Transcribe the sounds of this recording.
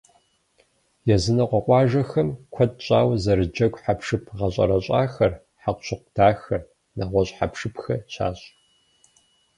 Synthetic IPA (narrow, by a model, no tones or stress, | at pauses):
jɛzɨnɐqʷɔqʷʼɑːʒɐxɐmkʷʰɔt̚ɕʼa̰ːwzɐɾɨd͡ʒɐɡʷʼħapʂɨpʰʁɐɕʼɐ̰ɾɐɕʼaːxɐr | ħaqʷɕɨqʷdʰaːxɐr | naːʁʷɔɕʼħa̰pʂɨpxɐɕa̰ːɕʼ